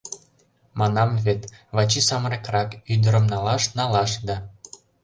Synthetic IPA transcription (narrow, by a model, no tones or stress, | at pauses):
mɑnɑmvet̪βɑt͡ɕisɑmɾekrɑkyd̪əɾə̆mnɑlɑʃnɑlɑʃd̪ɑ